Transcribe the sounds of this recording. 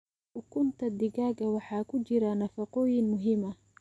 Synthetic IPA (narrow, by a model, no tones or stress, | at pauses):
ʔʊkʰʊnt̪ʰɐd̪ɪɡaːɡɐwɑħɑːkʰʊt͡ʃɪɾɐnɐfɑqɔːjɪnmʊɦɪmɐ